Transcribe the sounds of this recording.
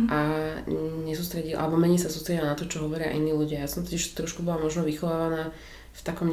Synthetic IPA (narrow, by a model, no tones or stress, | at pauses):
ʔa | ɲɛsuːst̪ɾɛɟilʔa̰lɛbɔmɛɲisasuːst̪ɾɛɟilanat̪ɔt͡ʃɔɦɔʋɔɾɪa̰ʔiniːluɟɪajaːsɔmt̪ɔciʃt̪ɾɔʃkubɔlamɔʒnɔʋixɔʋaːʋanaː | ft̪akɔm